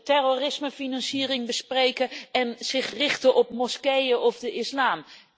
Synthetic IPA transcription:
tɛrorɪsməfinɑnsiːrɪŋbəsprejkəɛnz̥ɪχrɪχtəʔɔp̚mɔskejəʔɔfdəʔɪslaːm

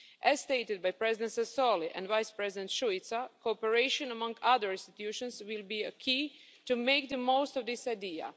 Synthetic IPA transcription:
ʔæz̥st̪eɪt̪ɪd̪̚bajpɾɛzɪd̪ɛ̃nsɛsoliʔɛ̃ndʋajspɹɛzɪdɛ̃nt̪ʃuit̪sakopəɹeɪʃõnəmãŋɡaðəɹĩnst̪it̪juʃə̃nswɪlˠbiəkʰi | tumeɪk̚d̪əmoʊst̪ɔvd̪ɪsajdia̰

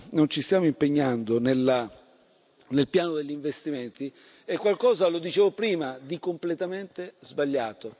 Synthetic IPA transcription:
nont͡ʃist̪jaːmoimpeɲːand̪onela | nelpjaːnod̪eʎːiɱvest̪iment̪i | ɛkːwalkɔːzalod̪it͡ʃeːvopɾiːmad̪ikomplet̪ament̪ezbaʎːaːt̪o

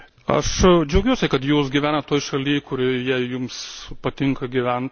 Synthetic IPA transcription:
ɐ̰ʃd͡ʒʲɛʊɡʲuɔsʲɛkɐt̪juːsɡʲɪʋʲæːnɐt̪t̪oːjʃɐlʲiːjkʊɾʲɪjiɛjʊmspɐt̪ʲɪŋkɐɡʲɪʋʲɛnt̪

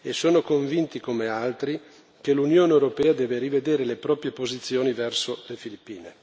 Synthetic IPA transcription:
esoːnokoɱvint̪ikomealt̪ɾi | kelunjoːneewɾopɛːad̪ɛːveɾived̪eːɾelepɾɔːpɾjepozit̪sːjoːnivɛrsolefilipːiːne

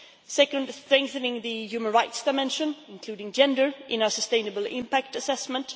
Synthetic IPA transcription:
sɛkə̃ndstɹ̥ɛ̃ŋk̚θɨ̃nɪ̃ŋðɨjʉmə̃nɹaɪtsd̥aɪmɛ̃nʃə̃nɪ̃nkʰl̥ʉːɾɪ̃ŋd͡ʒɛ̃ndə˞ʔɪ̃naə˞səstẽɪ̃nəbəl̩ˠɪ̰̃mpæk̚tɨsɛsmə̃nt

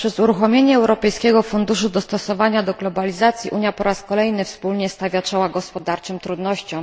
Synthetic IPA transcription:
pʂɛzuɾuxɔmʲjeɲɛːwɾɔpɛjskʲɛɡɔfund̪uʂud̪ɔst̪ɔsɔvaɲad̪ɔɡlɔbalʲizat̪sʲjiʔuɲjapɔɾaskɔlɛjnɘfspulɲɛst̪avʲjat͡ʂɔwaɡɔspɔd̪aɾt͡ʂɛmt̪ɾud̪nɔɕt͡ɕɔ̃w̃

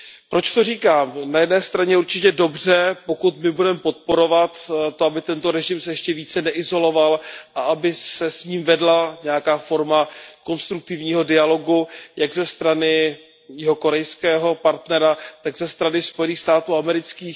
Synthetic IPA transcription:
pɾo̞t͡ʃt̪o̞riːkaːmnajɛdnɛːst̪ɾaɲɛuɾt͡ʃɪcɛdo̞brɛpo̞kut̪mɪbudɛmɛpo̞t̪̚po̞ɾo̞vat̪t̪ːoabɪt̪ɛnt̪o̞ɾɛʒɪmsɛjɛʃcɛviːt͡sɛnɛʔɪzo̞lo̞valʔaʔabɪsɛsɲiːmvɛdlaɲɛjakaːfo̞ɾmako̞nst̪ɾuk̚t̪ɪvɲiːɦo̞dɪalo̞ɡujaɡzɛst̪ɾanɪ | jɛɦo̞ko̞ɾɛjskɛːɦo̞paɾt̪nɛɾat̪aɡzɛst̪ɾanɪspo̞jɛniːxst̪aːt̪uːamɛɾɪt͡skiːx

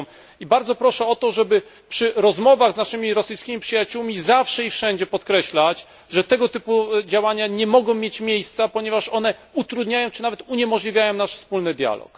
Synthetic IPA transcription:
ibaɾd̪zɔpɾɔʂɛɔt̪ɔʐɛbɘ | pʂɘɾɔzmɔvaɣznaʂɘmʲiɾɔsɘjskʲimʲipʂɘjat͡ɕuwmʲizafʂɛifʂɛɲd͡ʑɛpɔt̪kɾɛɕlat͡ɕ | ʐɛt̪ɛɡɔt̪ɘpud͡ʑawaɲaɲɛmɔɡɔ̃w̃mʲjet͡ɕmʲjejst̪sapɔɲɛvaʂɔn̪ɛut̪ɾud̪ɲajɔ̃w̃t͡ʂɘnavɛt̪uɲɛmɔʐlʲivʲjajɔ̃w̃naʂfspulnɘd̪ʲja̰lɔ̰k

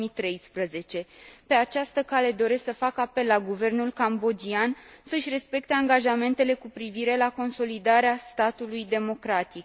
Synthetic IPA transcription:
mit̪ɾe̞jspɾəze̞t͡ʃe̞pe̞at͡ʃast̪əkale̞d̪o̞ɾe̞sksəfakəape̞lːaɡuve̞rnulkambo̞d͡ʒiansəɨʃʲre̞spe̞k̚t̪e̞aŋɡaʒame̞nt̪e̞le̞kupɾiviɾe̞lako̞nso̞lid̪aɾeast̪at̪ulujd̪e̞mo̞kɾat̪ik

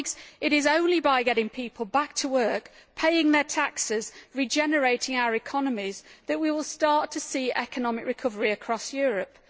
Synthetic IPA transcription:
ɡz̥ɪɾɪzõʊ̃nlibaɪɡɛɾɪ̃ŋpʰiˑpʰəlˠbak̚tʰəwɜˑ˞kpʰeɪɪ̃ŋðətʰaksɪzɹid͡ʒɛnəɹeɪtɪ̃ŋaʊəɹɪkʰɒnəmɪzðəʔwiwɪlˠstɑɹtʰəsiːʔɛkənɒmɪkɹɪkʰʊvəɹiəkʰɹ̥ɒsjɔːɹəp̚

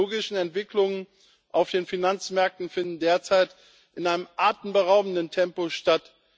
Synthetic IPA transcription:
oːɡɪʃn̩ɛntv̥ɪklʊŋən | ʔaʊfd̥eːnfinant͡smɛɐk̚tn̩fɪndn̩deːɐt͡saɪt | ʔɪnʔaɪnəmʔaːtn̩bəʁaʊbn̩dəntʰɛmpoʃtat

